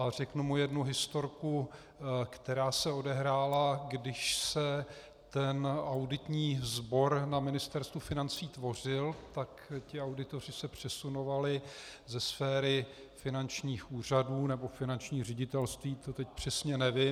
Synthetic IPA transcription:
arɛknumujɛdnuɦɪst̪o̞ɾku | kt̪ɛɾaːsɛo̞dɛɦɾaːlaɡdɪʃsɛ | t̪ɛnawdɪt̪ɲiːzbo̞ɾnamɪnɪst̪ɛɾst̪vufɪnant͡siːt̪vo̞r̝ɪlt̪akcɪawdɪt̪o̞r̝ɪsɛpr̝̥ɛsuno̞valɪzɛsfɛːɾɪ | fɪnant͡ʃɲiːxuːr̝aduːnɛbo̞fɪnant͡ʃɲiːr̝ɛɟɪt̪ɛlst̪viːt̪ot̪ɛc̚pr̝̥ɛsɲɛnɛvɪ

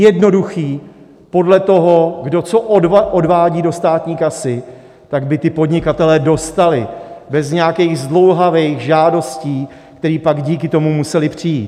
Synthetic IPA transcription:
jɛdno̞duxiː | po̞dlɛt̪o̞ɦo̞ɡdo̞t͡so̞ʔodʔodvaːɟiːdo̞st̪aːt̪ɲiːkasɪ | t̪aɡbɪt̪ɪpo̞dɲɪkat̪ɛlɛːdo̞st̪alɪbɛzɲɛjakɛjɣzdlo̞wɦavɛjxʒaːdo̞sciː | kt̪ɛɾiːpaɡɟiːkɪt̪o̞mumusɛlɪpr̝̥ɪjiːt̪

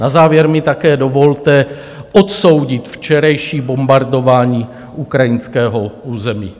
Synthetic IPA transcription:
nazaːvjɛɾmɪt̪akɛːdovo̞lt̪ɛ | ʔot̪so̞wɟɪt̪ft͡ʃɛɾajʃiːbo̞mbaɾdo̞vaːɲiː | ʔukɾajɪnskɛːɦouːzɛmiː

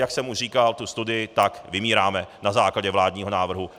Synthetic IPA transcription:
jaksɛmuʃriːkalt̪ust̪udɪjɪt̪akvɪmiːɾaːmɛnazaːklaɟɛvlaːdɲiːɦo̞naːvr̩ɦu

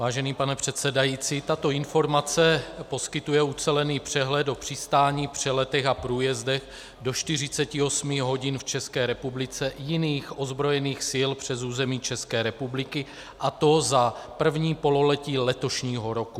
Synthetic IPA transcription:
vaːʒɛniːpanɛpr̝̥ɛt̪sɛdajiːt͡siːt̪at̪o̞ɪnfo̞ɾmat͡sɛpo̞skɪt̪ujɛut͡sɛlɛniːpr̝̥ɛɦlɛd̪o̞pr̥ɪst̪aːɲiːpr̝̥ɛlɛt̪ɛxapɾuːjɛzdɛɣ | do̞ʃt̪ɪrɪt͡sɛcɪo̞smɪɦo̞ɟɪnft͡ʃɛskɛːɾɛpublɪt͡sɛjɪniːxʔo̞zbɾo̞jɛniːxsɪlpr̝̥ɛzuːzɛmiːt͡ʃɛskɛːɾɛpublɪkɪ | ʔat̪o̞zapr̩vɲiːpo̞lo̞lɛciːlɛt̪o̞ʃɲiːɦo̞ɾo̞ku

